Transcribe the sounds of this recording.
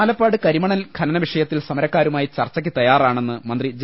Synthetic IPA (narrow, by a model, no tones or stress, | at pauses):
lɐpːaːɽɨkɐɾimɐɳɐnlkʰɐlɐnɐʋiʂɐjɐt̪ːilsɐmɐɾɐkːaːɾumaːjit͡ɕɐrt͡ɕːɐk̬ʲːɨt̪ɐjaːraːɳe̞nːɨmɐnd̪rid͡ʑ